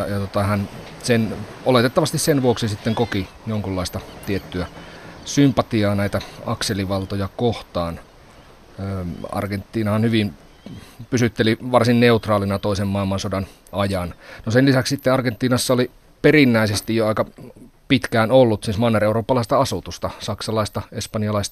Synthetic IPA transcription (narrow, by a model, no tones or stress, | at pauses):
jɑjɑt̪ot̪ɑhæn | sen | olet̪et̪ːɑʋɑst̪issenʋuoksisit̪ːeŋkoki | joŋkulːɑˑist̪ɑt̪iet̪ːyæsympɑt̪iɑːnæit̪æɑkseliʋɑlt̪ojɑkoht̪ɑːn | øːɑ̰rɡent̪ːiːnɑhɑnhyʋim | pysyt̪ːeliʋɑrsinneut̪rɑːlinɑt̪oisemmɑilmɑnsodɑn | ɑjɑnnoselisækssit̪ːeɑrɡent̪ˑːiːnɑsːɑoli | perinːæisest̪ijjoɑikɑpit̪kæːnolːut̪siːsmɑnːereuroːpːɑlɑˑist̪ɑɑsut̪ust̪ɑsɑksɑlɑist̪ɑespɑniɑlɑist̪ɑ